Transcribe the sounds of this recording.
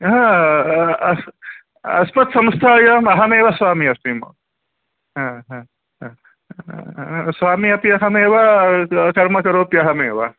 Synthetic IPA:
ɦã | ɐsmɐt̪sɐmst̪ʰaːjɐmɐɦɐmeːʋɐsʋaːmiɐstimɐ̰ | ɦãɦã | ɦ | sʋaːmiɐpiɐɦɐmeːʋɐkɐɾmɐkɐɾoːpjɐɦɐmeːʋɐ

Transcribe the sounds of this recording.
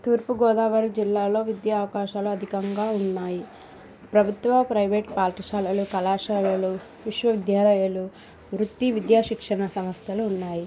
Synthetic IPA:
t̪uːɾpuɡɔːd̪aːʋaɾid͡ʒilːaːlo̞ːʋid̪jaːʋɐkaːʃaːluɐd̪ʱikɐŋɡaːunːaːji | pɾɐbʱut̪ʋɐpɾɐjʋeːʈpaːlʈiʃaːlɐlukɐlaːʃaːlɐlu | ʋiʂʋɐʋid̪jaːlɐjɐlu | ʋɾut̪ːiʋid̪jaːʃikʂɐɳɐsɐmɐst̪jɐluːnːaːji

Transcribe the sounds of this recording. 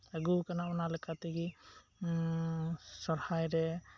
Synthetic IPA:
ɛɡukanamanalɛkʰat̪ɛɡi | sɔɾhajɾɛ

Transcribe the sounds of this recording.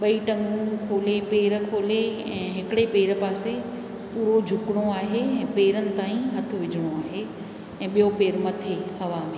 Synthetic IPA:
ɓɐiʈɐ̃ŋɡũkʰoːlepeːɾ̆kʰoːle | ɛ̃ːɦɪkɪɽepeːɾəpaːse | puːɾod͡ʑʱʊkɪɽ̃oaːɦeɛ̃ːpeːɾənɪ̆t̪aːĩɦɐt̪ʰʊ̆ʋɪd͡ʑʱɪɽ̃oaːɦe | ɛ̃ːɓijopeːɾmɐt̪ʰeɐʋaːme

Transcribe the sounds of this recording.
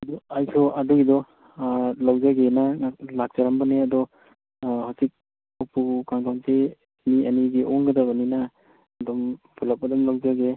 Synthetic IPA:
ɐdɔajsʰɔʔaduɡidɔ | lawzaɡenaŋaklak̚z̥aɾambaneɐdɔ | hawsik̚ | ɔpʰukaŋdante | miɐniɡeʔɔŋɡɐdabɐnina | dɔmpʰulap̚adɔmlawzaɡe

